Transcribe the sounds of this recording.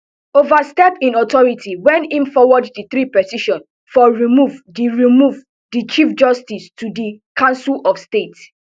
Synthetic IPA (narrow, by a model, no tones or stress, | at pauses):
ovastɛpĩnɔtɔɹitʰiwɛ̃ntĩnfɔwɔddiθɾipɹɛsiʃɔ̃n | fɔɹimuvdiɹimuv | dit͡ʃifd͡ʒɔstistʰudikãʊ̃nsulɔfstet